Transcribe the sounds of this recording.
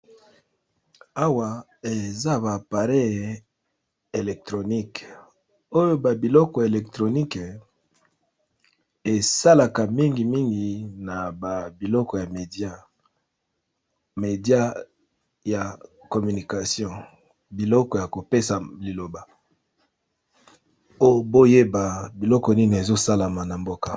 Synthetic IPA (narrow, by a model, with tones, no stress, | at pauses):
a˦wa˨ | e˨za˦ba˨pa˨ʁe˦˨ | e˨lɛ˨k̚tʁo˨ni˦˨k | o˦jo˦ba˨bi˨lɔ˦kɔ˨e˨lɛ˨k̚tʁo˨ni˦k | e˨sa˦la˨ka˨mi˦ŋɡi˨mi˦ŋɡi˨na˨ba˨bi˨lɔ˦kɔ˨ja˨me˨di˦a˦ | me˨di˦a˦ | ja˨kɔ˨my˨ni˨ka˨sjɔ̃˦ | bi˨lɔ˦kɔ˨ja˨ko˨pe˦sa˨li˨lo˨ba˨ | o˦jo˦bo˦je˦ba˨bi˨lɔ˦kɔ˨ni˦ni˨e˨zo˦sa˦la˨ma˨na˨mbo˦ka˨